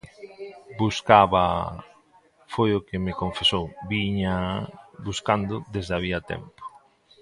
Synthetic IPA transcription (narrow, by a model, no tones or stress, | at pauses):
buskaβa̰ | fojʊkemekoɱfesowbiɲabuskand̪ʊd̪ezðeaβiat̪ɛ̰mpo̥